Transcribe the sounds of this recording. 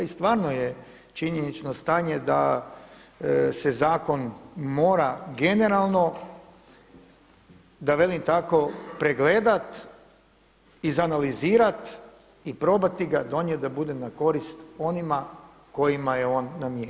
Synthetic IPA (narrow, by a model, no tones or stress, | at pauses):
ist̪ʋaːɾno̞je | t͡ʃiɲenit͡ʃno̞st̪aːɲe̞d̪a̰ | sezaːko̞nmo̞ːɾaɡe̞ne̞ɾalˠno̞ | d̪aʋe̞limt̪ako̞pɾeɡle̞ːd̪at̪ | izanaliziːɾat̪ | ipɾo̞bat̪iɡad̪o̞ɲet̪̚d̪abud̪enako̞ɾist̪o̞nima | ko̞jimajeo̞ːnːamje